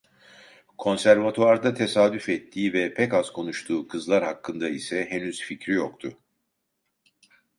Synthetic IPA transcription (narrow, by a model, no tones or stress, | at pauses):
kʰo̞nsæɾvat̪ʰoaɾd̪at̪ʰe̞saːd̪yfɛt̪ʰːiːvɛpʰɛkaz̥kʰo̞nuʃt̪ʰuːkʰɯzlˠaɾhakːɯnd̪aisɛɦenyz̥ficɾijokt̪ʰʊ